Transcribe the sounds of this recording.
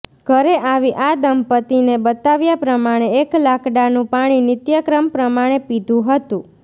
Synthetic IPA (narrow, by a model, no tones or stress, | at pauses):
ɡʱəɾeʔaʋiʔad̪əmpət̪inebət̪aʋjapɾəmaɽ̃eːklakʰɖanũpaɽ̃inɪt̪jəkɾəmpɾəmaɽ̃epid̪ʱũɦət̪ũ